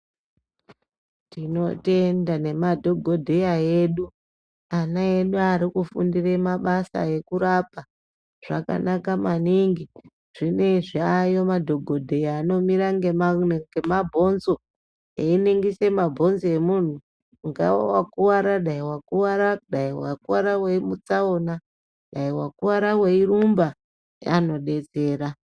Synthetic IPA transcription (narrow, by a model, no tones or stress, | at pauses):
tino̞te̞ndane̞madʱo̞ɡʱo̞dʱejaje̞ɗu | anae̞ɗuaɾikufundiremaɓasa̰je̞kuɾapa | ʐ̥aka̰nakamaniŋɡi | ʐ̥ine̞ʐiajo̞madʱo̞ɡʱo̞dʱe̞jaːno̞miɾaŋɡeŋɡemabʱo̞nzo̞ | eineŋɡise̞mabʱo̞nzoje̞mun̤u | ŋɡa̰a̰wakuwaɾaɗaiwakuwaɾaɗaiwakuwaɾawe̞imut͡saona | ɗaiwakuwaɾawe̞irumba | ja̰no̞ɗe̞t͡se̞ːɾa